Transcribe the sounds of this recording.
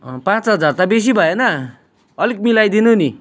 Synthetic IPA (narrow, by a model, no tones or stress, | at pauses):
pãt͡sɦʌd͡zart̪abes̬ibʱʌjenʌ | ʌlik̚milajd̪inuni